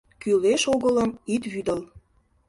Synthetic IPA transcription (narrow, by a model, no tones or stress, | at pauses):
kyleʃoɣələmit̪βyd̪əl